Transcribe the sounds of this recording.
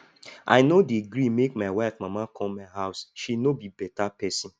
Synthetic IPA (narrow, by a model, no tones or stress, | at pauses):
ʔa̰ɪnodeɡɾimekmaɪwafmamakʰɔ̃mmaɪɦaʊsʃinobibɛtapɛsĩn